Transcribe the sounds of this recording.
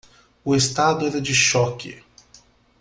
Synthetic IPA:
ʊest̪ad̪ʊɛɾɐd͡ʒɪʃɔkɪ̰

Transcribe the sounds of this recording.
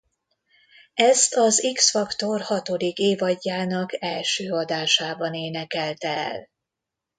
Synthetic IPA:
ɛst̪ɒziksfɒkt̪o̞rhɒt̪o̞d̪ikeːvɒɟːaːnɒkɛlʃøːɒd̪aːʃaːbɒneːnɛkɛlt̪ɛɛ̰l

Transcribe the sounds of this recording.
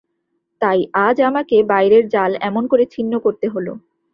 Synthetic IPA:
t̪ajad͡ʑamakebajɾeɾd͡ʑalɛmonkoɾet͡ɕʰinːokoɾt̪eɦolo̰

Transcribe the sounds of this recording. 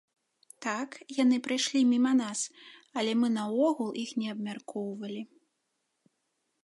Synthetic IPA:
t̪akjan̪ɨpɾɨjʂlʲimʲimɐnasɐlʲɛmɨnɐɔɣulˠixnʲɛɐbmʲarkɔwvɐlʲi

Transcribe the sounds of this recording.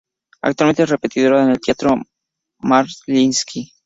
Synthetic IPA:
a̰k̚t̪walme̞nee̞re̞pe̞t̪iðo̞ɾaenelt̪jat̪ɾo | maɾlinskʰi

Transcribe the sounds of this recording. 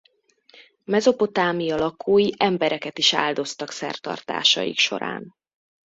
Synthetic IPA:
mɛzo̞po̞t̪aːmiɒlɒkʰuːjiʔɛmbɛɾɛkɛt̪iʃa̰ːld̪o̞st̪ɒksɛ̰rt̪ɒ̰rt̪a̰ːʃɒ̰jḭkʃo̞̰ɾa̰ːn

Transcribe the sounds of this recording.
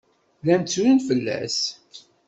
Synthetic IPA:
læmt͡sːuɾənfəlːæ̰s

